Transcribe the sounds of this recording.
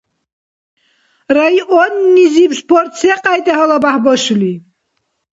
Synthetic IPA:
ɾaiʔɔnːizipspʰɔɾt̪sɛqʼajt̪ʼɛɦɔlabaħbɔʃuli

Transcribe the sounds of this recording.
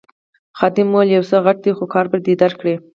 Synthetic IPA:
xɑd̪ɪmːoljawsəɣaʈ̚d̪exokɑɾbəd̪ed̪aɾkɽe

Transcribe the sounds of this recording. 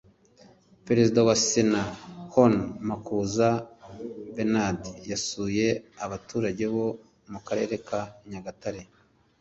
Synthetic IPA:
pe̞ɾezidawasenahonmakuza | benadjasuːje̞aβatuːɾaɟe̞βo̞ | mukaɾe̞ːɾe̞kʰaɲaɡataɾe

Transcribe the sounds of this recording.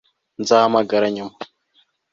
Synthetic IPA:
nzaːmaɡɐɾaɲim

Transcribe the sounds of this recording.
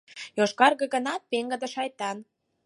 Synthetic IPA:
joʃkɑrɣə̆ɣənɑt̪̚peŋɡə̆d̪ə̆ʃɑjt̪ɑn

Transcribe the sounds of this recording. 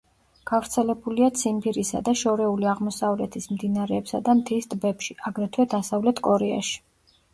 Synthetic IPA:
ɡ̥avɾt̪sʰɛlɛbuliat̪sʰimpʰiɾisa̰d̪aʃɔɾɛuliaʁmɔsavlɛt̪ʰismd̪inaɾɛːpsa̰d̪amt̪ʰisd̪ʼbɛpʃiaɡɾɛt̪ʰwɛd̪asavlɛt̪ʰkʼɔɾɛa̰ʃi̥

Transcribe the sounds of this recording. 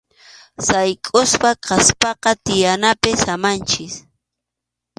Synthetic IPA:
sajkʼʊspaqʰɑspɑqɑt̪ɪjanapɪsamant͡ʃɪs

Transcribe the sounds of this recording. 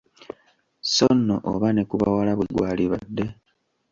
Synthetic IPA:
sonːo̰ʔoβane̞kuβa̰walaβuɡwaːliβadːe̞

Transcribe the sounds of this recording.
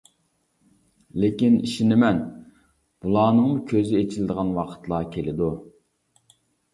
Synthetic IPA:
lekʲiniʃinɪmɛn | b̥ulˠɑːnɨŋmukʲʰøzɪet͡ʃʰilɪd̪əʁɑnwɑqʰə̥t̪lˠɑːkʲʰelɪd̪u

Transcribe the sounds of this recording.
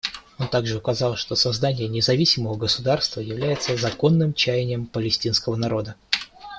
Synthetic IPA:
o̞nt̪aɡʐɨʊkɐzɑlˠʂt̪o̞sɐzd̪anʲɪjənʲɪzɐvʲisʲɪməvəɡəsʊd̪arst̪vəjɪvlʲæjɪt̪səzɐko̞nːɨmt͡ɕæjɪnʲɪjəmpəlʲɪsʲtʲinskəvənɐɾo̞d̪ə

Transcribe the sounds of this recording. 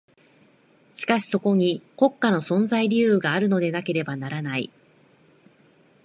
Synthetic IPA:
ɕi̥kaɕi̥so̞ko̞ɲ̟iko̞kːano̞sõ̞nzaiɾʲiɯ̟ːɡaːɾɯ̟no̞d̪e̞nake̞ɾe̞banaɾanaḭ

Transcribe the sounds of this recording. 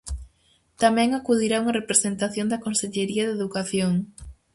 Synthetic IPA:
t̪amɛ̃ŋakuð̞iɾauŋɐrepɾesent̪aθjond̪ɐkonseʎeɾiɐðeðukaθjoŋ

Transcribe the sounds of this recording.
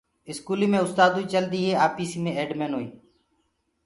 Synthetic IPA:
ɪskuːliːmẽːʊst̪aːd̪uːiːt͡ʃəld̪iːɦeːaːpiːsiːmẽːeːɖmeːnɦoːḭː

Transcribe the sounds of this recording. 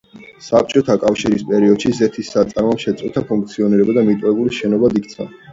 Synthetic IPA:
sap̚t͡ʃʼɔt̪ʰakʼafʃiɾispʼɛɾiɔd̪̥ʃizɛt̪ʰisːat̪sʼaɾmamʃɛt̪sʼqʼut̪ʰapʰuŋk̚t̪sʰiɔniɾɛbad̪amit̪ʼvɛbuliʃɛnɔbad̪ik̚ʰt̪sʰa̰

